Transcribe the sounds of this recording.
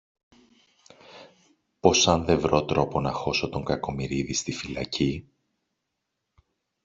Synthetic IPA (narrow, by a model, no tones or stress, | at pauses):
po̞sɐnðe̞vɾo̞t̪ɾo̞po̞nɐxo̞so̞t̪o̞ŋɡɐko̞miɾiðist̪ifilɐ̰ci